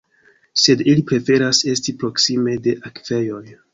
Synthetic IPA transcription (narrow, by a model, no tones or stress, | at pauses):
se̞dilipɾe̞fe̞ɾase̞stipɾo̞ksime̞de̞ʔakve̞jo̞j